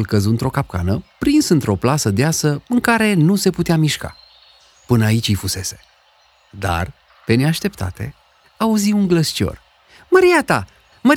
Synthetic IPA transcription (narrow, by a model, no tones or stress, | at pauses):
lkəzuɨnt̪ɾo̞kap̚ka̰nəpɾinsɨnt̪ɾo̞plasəd̪easəɨŋkaɾe̞nuse̞put̪eamiʃka̰ | pɨnəait͡ʃʲijfuse̞se̞̥ | d̪a̰r | pe̞neaʃt̪e̞pt̪a̰t̪e̞̰ | auzimuŋɡləst͡ʃo̞̰r | məɾiat̪a | mə